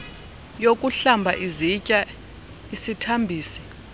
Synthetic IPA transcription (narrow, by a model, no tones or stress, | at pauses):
jokʼuɬambʱaʔizicʼa | isitʰambʱiːsi̥